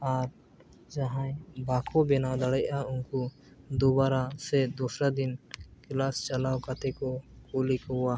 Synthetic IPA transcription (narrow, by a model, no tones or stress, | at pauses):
aɾ | d͡ʒaɦãjbakʰɔbɛnawd̪aɽɛjauŋku | d̪ubaɾasɛd̪ɔsɾad̪inklast͡ʃalawkat̪ɛkɔkulikɔa